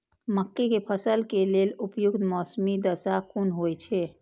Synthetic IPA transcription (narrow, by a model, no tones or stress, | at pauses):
məkːekepʰəsəlkelelupjʊkt̪mɔːsmid̪əsakunɦojt͡ʃʰɛ